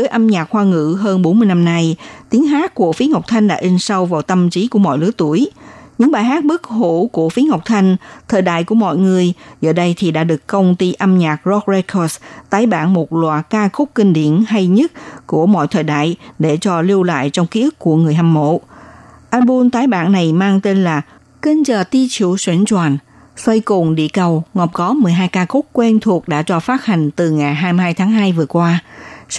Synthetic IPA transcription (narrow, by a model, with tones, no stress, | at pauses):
zɨ˨˦jʔa˧mɲaː˨˩k̚hwaː˧ŋɨ̰˧˨ɦəː˧nɓo˨˦nmɨ˧jna˧mna˧jt̪i˨˦əŋɦaː˦˥t̚ku˧˩əfi˨˦ha˨˩wk͡p̚t̪ʰa˧jŋ̟ɗa̰ː˧˥ʔi˧ŋ̟sa˧wvaː˨˩wt̪ə˧mt͡ɕi˨˦ku˧˩əmɔ̰˧˨jlɨ̰˨˦ət̪u˧˩əjɲɨ̰˧˥ŋɓaː˨˩jɦaː˦˥t̚ɓɨ˦˥k̚hu˧˩˨ku˧˩əfi˨˦əɦa˨˩wk͡p̚t̪ʰa˧jŋ̟t̪ʰəː˨˩jɗa̰ː˧˨jku˧˩əmɔ̰˧˨jŋɨ˨˩əjzə̰ː˧˩ɗə˧jt̪ʰi˨˩ɗa̰ː˧˥ɗɨ˨˩əkkə˧wŋ͡mt̪i˧ʔa˧mɲaː˨˩k̚zɔ˦˥k̚ze˧kʰɔ˧st̪aː˨˦jɓaː˧˩nmo˨˩t̚lwa̰ː˨˩kaː˧xʊ˦˥k͡p̚kï˧ŋ̟ɗḭ˧˨ənha˧jɲə˦˥t̚ku˧˩əmɔ̰˧˨jt̪ʰəː˨˩jɗa̰ː˧˨jɗe˧˩t͡ɕɔ˧li˧əwla̰ː˧˨jt͡ɕɔ˧wŋ͡mki˧˦˥ʔɨ˦˥kkːu˧˩əŋɨ˨˩əjɦaː˧mmo̰˧˥˨ʔaː˧nɓu˧nt̪aː˨˦jɓaː˧˩nːa˨˩jmaː˧ŋt̪e˧nlaː˨˩ | ki˧nt͡ɕəː˨˩t̪i˧t͡ɕḭ˧˩˨swḭ˧˩ənt͡ɕwaː˨˩n | sə˧jkʊ˨˩ŋ͡mɗḭ˧˨kə˨˩wŋɔ˨˩p̚kɔ˨˦mɨ˨˩əjɦaː˧jkaː˧kʊ˦˥k͡p̚kwɛ˧nt̪ʰu˨˩ək̚ɗa̰ː˧˥t͡ɕɔ˧faː˦˥t̚ha˨˩jŋ̟t̪ɨ˨˩ŋa˨˩jɦaː˧jmi˧ɦaː˧jt̪ʰaː˨˦ŋɦaː˧jvɨ˨˩əkwaː˧